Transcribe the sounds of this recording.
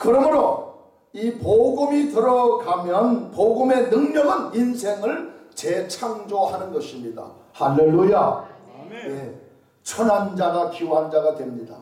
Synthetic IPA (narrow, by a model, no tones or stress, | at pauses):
kɯɾʌmɯɾo | ipoɡumitɯɾʌkamjʌnpoɡume̞nɯŋɲʌɡɦaninsʰe̞ŋɯɭt͡ɕet͡ɕʰaŋd͡ʑohanɯnɡʌɕʰimɲida̰ | halːeluja | je | t͡ɕʰʌnɦand͡ʑaɡakiwɦand͡ʑaɡadwe̞mɲida̰